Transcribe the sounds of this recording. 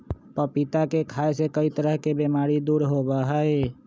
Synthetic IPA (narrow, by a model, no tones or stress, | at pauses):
pəpit̪akekʰaesekəit̪əɾəɦkebemaɾid̪uɾɦobəɦəe